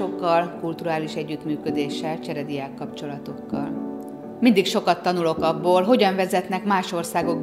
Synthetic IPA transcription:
o̞kːɒlkult̪uɾaːliʃɛɟːyt̪myːkød̪eːʃɛlt͡ʃɛɾɛd̪iaːkːɒpt͡ʃo̞lɒt̪o̞kːɒ̰l | mind̪ikʃo̞kɒt̪ːɒnulo̞kɒbːoːlɦo̞ɟɒɱvɛzɛt̪nɛkmaːʃo̞rsaːɡo̞ɡ̚b

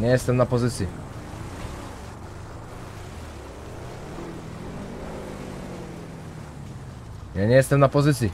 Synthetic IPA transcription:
nʲɛst̪ɛmnapozit̪si | janʲɛɛst̪ɛmnapozit̪si

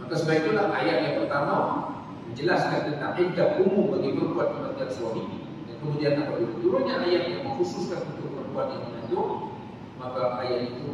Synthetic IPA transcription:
makasəbaik̚t̪ulaha̰jat̪̚jaŋpərt̪amaw | məd͡ʒəlasɡant̪ənt̪aŋʔəndaʔ̚kumubaɡipərbuat̪̚kəmad̪iansuaɦi | dankəmudianlapalibəd̪uɾaɲaajat̪̚jaŋməŋxusʊskanunt̪ʊk̚pərbuat̪̚jaŋminant̪ʊŋ | makaajat̪it̪u

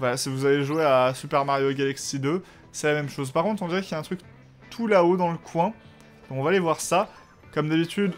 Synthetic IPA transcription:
valasivuzaveʒweasypɛʁmaʁjoɡʲalaksid̪ø | sɛlamɛmʃozpaʁkɔ̃t̪χɔ̃d̪iʁɛkjaɛ̃t̪χyk | t̪ʰulaod̪ɑ̃ləkʰwɛ̃ | d̪̥ɔ̃kɔ̃vaːlevwaʁsa | kɔmd̪abit̪yd̪

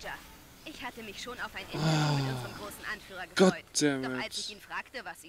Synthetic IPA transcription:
ɐ | ʔɪçhatəmɪçʃoːnaʊfʔaɪnɪat͡sɔmɡʁoːsn̩ʔanfyːʁɐɡəɡ̥ɔt̚z̥ɛmɛalt͡ʃɪçiːnfʁ̥aːktəvasi

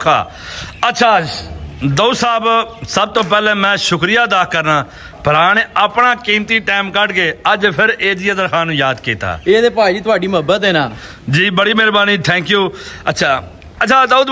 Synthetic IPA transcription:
kʰa̰ː | ətːʃʰaːd͡ʒd̪ousaːbsəb̚t̪õːpɛːlɛ̃ːmɛ̃ːʃʊkɾijaːd̪aːkəɾnaː | pəɾaːneːʔaːpɳãːkĩːmt̪iːʈɛːmkəʈkeːəd͡ʒpʰɪɾeːd̪ɪjãːd̪əɾfaːnũːjaːd̪kiːt̪a̰ːeːd̪eːpaːid͡ʒiːt̪ʊaːɖiːməbət̪eːnaː | d͡ʒiːbəɽiːmɪɾbaːniːt̪ʰɛ̃ːŋkjuːətːʃʰaː | ətːt͡ʃʰaːd̪əːʊd̪

